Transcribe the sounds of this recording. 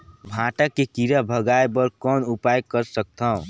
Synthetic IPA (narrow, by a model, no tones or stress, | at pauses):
bʱãʈakekiɾabʱəɡaebəɾkɔːnupajkəɾsək̚t̪ʰə̃